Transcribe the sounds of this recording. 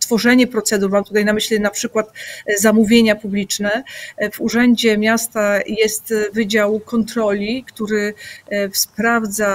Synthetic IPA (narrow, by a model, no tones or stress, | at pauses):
t̪fɔʐɛɲɛpɾɔt̪sɛd̪uɾmamt̪ut̪ajnamɘɕlɛnapʂɘkwat̪zamuvʲjeɲapublʲit͡ʂnɛvuʐɛɲd͡ʑɛmʲjast̪ajɛst̪vɘd͡ʑawkɔnt̪ɾɔlʲikt̪uɾɘfspɾavd̪za